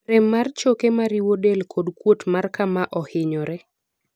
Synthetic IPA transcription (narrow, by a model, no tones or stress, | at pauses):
ɾɛmːart͡ʃokemaɾiwodelkʰodkwotmarkamaʔɔhɪɲɔɾɛ